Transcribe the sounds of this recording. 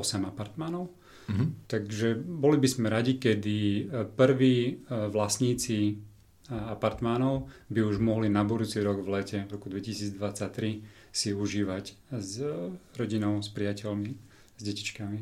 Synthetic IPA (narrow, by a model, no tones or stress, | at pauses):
ɔsɛmapaɾt̪manɔʊ | t̪aɡʒɛbɔlibizmɛɾaɟikɛd̪ipr̩ʋiːʋlasɲiːt͡si | apaɾt̪manɔʊbiuʒmɔɦlinabud̪uːt͡siɾɔɡʋlɛcɛvɾɔkud̪ʋɛcisiːd͡zd̪ʋat͡sac̚t̪ɾi | siuʒiːʋaczɾɔɟinɔʊspɾɪacɛlmi | zɟɛci̥t͡ʃkami